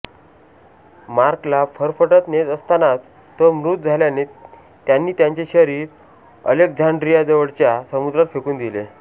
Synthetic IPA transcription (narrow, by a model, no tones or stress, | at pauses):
maɾklafəɾfəʈət̪net̪əst̪anat͡s | t̪əmɾut̪̚d͡zʱaljane | t̪janːiːt̪jaɲt͡ɕeɕəɾiːɾ | ə̰lek̚d͡zʱaɳɖɾijad͡zəʋəɽt͡ɕjasəmud̪ɾat̪fekuːnd̪ile